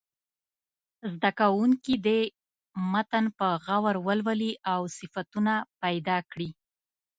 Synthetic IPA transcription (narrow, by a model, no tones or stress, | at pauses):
zd̪akawuŋkid̪e | mat̪ənpəɣawaɾwəlwəliʔawsɪfat̪unapajd̪ɑkɽi